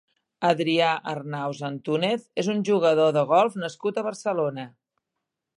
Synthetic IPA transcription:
əðɾiaʔərnawzənt̪uneθezunʲʒuɣ̞əðoðəɣ̞ɔlˠfnəskut̪əβərsəlonə

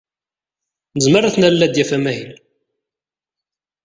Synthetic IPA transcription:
nəzmərˤːaθnæɾlːæd̪jæfæmæhil

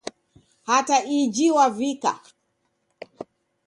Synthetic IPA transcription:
hataid͡ʒiwavika̰

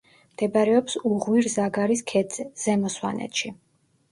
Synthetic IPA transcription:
md̪̥ɛbaɾɛɔpsuʁwiɾzaɡaɾiskʰɛd̪zɛz̥ɛmɔswa̰nʔɛ̰t̪ʃi

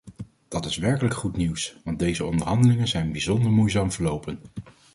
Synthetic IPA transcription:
d̥ɑtɪsʋɛɹkələkχutniwsʋɑndejzəɔ̰ndəɹɦɑndəlɪŋənzɛjnbizɔndəɹmujzaːmvəɹlowpən

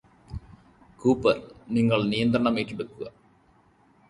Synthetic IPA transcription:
kuːpːɐlniŋːɐɭnijɐnd̪rɐɳɐmeːʈːeɽukːuɣɐ

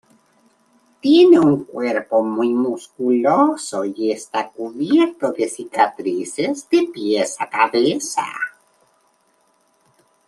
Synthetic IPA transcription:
t̪jeneuŋkweɾpo̞mujmuskulosoiest̪akuβjeɾt̪oðesikat̪ɾisezd̪epjesakaβesa̰

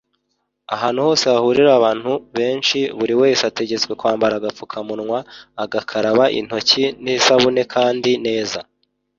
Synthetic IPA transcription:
a̰ɦaːn̥huho̞ːseβahuɾiɾaβaːn̥huβe̞ːnʃiβuɾiwe̞ːsate̞ɟe̞t͡swe̞kwaːmbaɾaːɡap͡fu̥kʰamunŋwaːɡakʰaɾaβaʔḭn̥ho̞cinisaβune̞kʰaːndine̞ːza

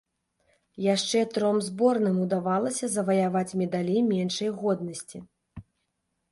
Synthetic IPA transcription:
jaʂt͡ʂɛt̪ɾɔmzbɔrnɨmud̪avalˠɐsʲɐzɐvɐjavat͡sʲmʲɛd̪alʲimʲɛnʂɐjɣɔd̪̚nɐsʲt͡sʲi

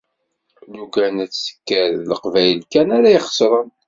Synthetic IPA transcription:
jukænæt͡sːsə̥kːəɾləqvæjlkænæɾæjiχə̥sɾˤən

